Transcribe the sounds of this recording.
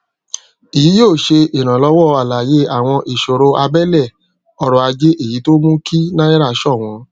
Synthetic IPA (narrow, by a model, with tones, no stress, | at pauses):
i˨ji˨˦joː˦˨ʃe˧i˨ɾ̃ã˨lɔ˨˧˦wɔ˦˨a˨la˨je˦a˨w̃ɔ̃˧ʔi˨ʃo˨ɾo˧a˧bɛ˦lɛ˦˨ | ɔ˧ɾɔ˧a˧d͡ʒe˦ʔe˦˨ji˨˦to˦mũ˦kʰi˦nã˦i˦ɾa˦˧ʃɔ˦˨w̃ɔ̃˨˦